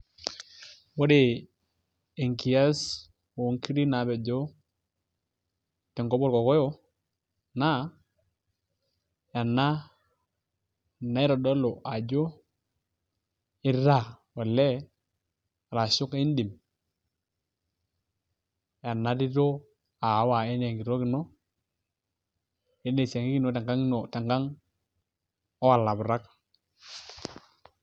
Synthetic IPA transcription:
wo˦de˨ | e˨ŋki˨a˦s | wo˨ŋki˦ɾi˦na˨bɛ˨ɟo˦ | tɛ˨ŋɡɔ˦bɔ˦ɾkɔ˨kɔ˦jo˦ | na˦ | ja˨nːa˦ | na˦i˦ɾɔ˨dɔ˦lo˨ʔa˨ɟo˦ | ɪ˦ɾa˦˨wa˨lːɛ˦˨ | ɾa˨su˦kndi˨m | ja˨nːa˦di˦to˦ | a˨˦wa˨ɛ˦ne˨ŋɡi˨ɾo˦ki˨no˦ | e˦ne˨se˨ŋɡi˦ɡi˨no˦ta˨ŋɡa˦ŋ˦no˨ta˨ŋɡa˦ŋ | ɔ˦a˨lːa˨bu˨ɾa˦k

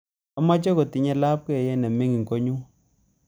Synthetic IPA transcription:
ɔ˦ma˦t͡ʃɔ˦ko˨ti˨ɲɛ˦la˦p̚kɛ˦˨jɛ˦nɛ˨mi˦ŋi˨ŋko˦ɲu˦

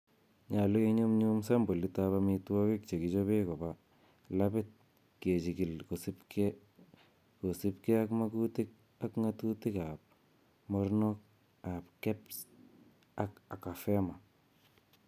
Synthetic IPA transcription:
ɲa˨lo˦iɲu˦mɲumsa˦mbo˨litaβamitwɔ˦ki˦k̚t͡ʃe˨ki˨t͡ʃo˦βe˦ko˨ba | lapɪt̪̚ | ke˨t͡ʃi˨ki˨lko˨sipke | ko˨sɪpke˦akmakutik̚ | a˦kŋatu˦ti˦kap̚ | moɾnok̚ | a˨pkɛ˦ps | aka˨ka˨fɛma˨

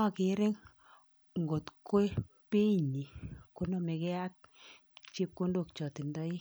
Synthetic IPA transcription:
ɔ˦˨kɪ˨˦ɾɪ˦ŋ | ŋɡo˨tkwe˦ | pe˦˨ɲi˨ko˦no˨me˨kɛ˦a˦k̚ | t͡ʃi˦p̚ko˦ndo˨kt͡ʃɔ˨ti˨ndɔ˦i˦

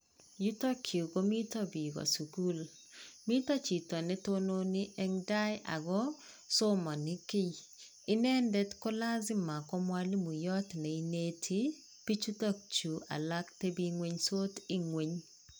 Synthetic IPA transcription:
ju˦to˦kʰju˨ɡo˦mi˦tɔ˦bi˨ɡɔ̰˨su˨ɡu˦l | mi˦tɔ˦t͡ʃi˨tɔ˨nɛ˦to˦no˦nɪ˦ʔɛ˦ŋda˦jʔa̰˨ɡɔ˦ | so˦mɔ˨nɪ˦kɪ˦ | ɪ˦nɛ˦ndɛ˦tko˦la˦zɪ˦ma˨kɔ˦mwa˦li˦mu˨jɔ˦tnɛ˨i˦ne˦tʰi˦ | pi˦t͡ʃu˦tɔ˦k̚t͡ʃu˨a̰˨la˦kte˦bi˦ŋwe˦ɲso˦tɪ˦ŋwe˨ɲ

